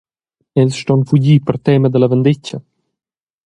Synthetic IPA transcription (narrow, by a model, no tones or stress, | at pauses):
ɛzʃt̪ɔnfuɟipəɾt̪ɛməd̪əlɛvənd̪icə